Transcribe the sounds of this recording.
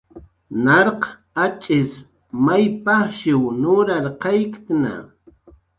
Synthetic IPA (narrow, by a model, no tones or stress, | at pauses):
naɾq | at͡ʃʼɪs | majpaχʃɪwnʊɾaɾqɑjkt̪na̰